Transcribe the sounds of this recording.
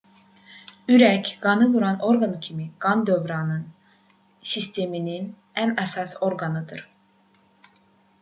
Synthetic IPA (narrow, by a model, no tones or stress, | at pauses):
yɾɛcɡ̥ɑnɯvuɾɑnʔo̞ɾɡancʰimiɡ̥ɑnd̪øvɾɑnɯn | sist̪ʰeminin | ænɛsɑso̞ɾɡɑnɯd̪ɯɾ̥